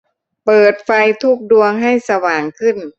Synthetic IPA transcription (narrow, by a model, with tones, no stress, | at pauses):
pɤː˨˩t̪̚fa˧jt̪ʰu˦˧˥k̚du˧əŋɦa˥˩jsa˧waː˨˩ŋkʰɯ˥˩n